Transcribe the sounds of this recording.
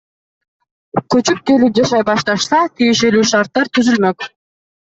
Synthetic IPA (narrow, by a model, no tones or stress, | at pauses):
kɵt͡ʃyp̚ke̞lip̚d͡ʒɑʃɑjbɑʃt̪ɑʃsɑt̪ʰije̞ʃe̞lyːʃɑɾt̪ːɑɾt̪ʰyzylmøk